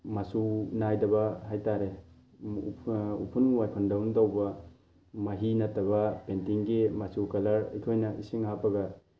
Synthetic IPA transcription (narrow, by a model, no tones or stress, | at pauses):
mɐsunajdɐbɐɦajtaɾe | ṵpʰunwajkʰundɐwndawbɐ | mɐɦinɐtːɐbɐpentiŋɡimɐsukɐlɐɾḭjkʰojnɐʔisiŋhapɐɡɐ